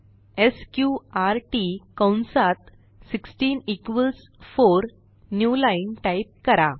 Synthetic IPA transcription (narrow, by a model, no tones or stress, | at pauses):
eskjuaɾʈikə̃wnsat̪̚ | siksʈiːnikʋəls | foɾ | njulainʈaip̚kəɾa